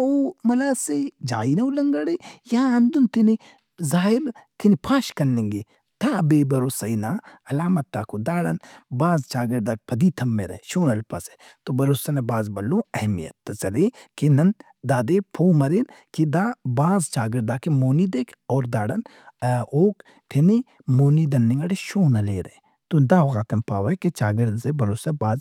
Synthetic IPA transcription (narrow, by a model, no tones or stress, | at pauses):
omɐlaːsed͡ʒaːinɐulɐŋɡɐɽejaːɐnd̪unt̪ini | zaːɦɪɾt̪inipʰaːʃkɐnːẽŋɡeː | t̪ʰaːbeːbɐɾoːsɐinaːɐlaːmɐt̪ːaːkod̪aːɽɐnbaːzt͡ʃaːɡɪɾd̪aːk̚pʰɐd̪iːt̪ʰɐmːeɾɐ̰ʃoːnɐlpɐse | t̪obɐɾoːsɐnabaːzbɐlːõɐɦmijɐ̰t̪ːt͡ʃɐlekenɐn | d̪aːd̪epʰoːmɐɾeːnkid̪aːbaːzt͡ʃaːɡɪɾd̪aːkemoːnid̪eːkʰɔːɾd̪aːɽɐn | oːk | t̪ʰeni | moːnid̪ɐnːẽŋɡɐɽeʃoːnɐleːɾɐ̰ẽ | t̪od̪aːɣaːt̪ɐmpaːʋɐket͡ʃaːɡɪɾd̪sebɐɾoːsebaːz